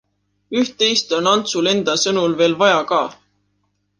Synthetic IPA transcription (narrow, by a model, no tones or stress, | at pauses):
yht̪ːe̞jst̪o̞nɑnt̪sule̞nd̪̥ɑsɤnulve̞ːlvɑjɑkɑː